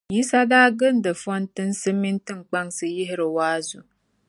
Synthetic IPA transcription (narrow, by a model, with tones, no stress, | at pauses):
ji˦sa˦daː˦ɡɨ˦n˦dɨ˨fɔ˦ntɨ˦n̩˦sɨ˦mi˦n˦tɨ˦ŋ˨k͡pa˦ŋsɨ˨ji˦ɦɪ˦ɾɨ˨waː˦zu˨